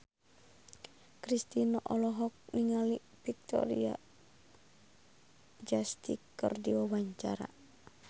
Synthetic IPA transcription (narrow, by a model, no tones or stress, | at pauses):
kɾist̪inɔʔɔlɔɦɔk̚niŋali | pik̚t̪ɔ̰ɾia | d͡ʒast̪ikːə̰rdiwawaɲt͡ʃa̰ɾa̰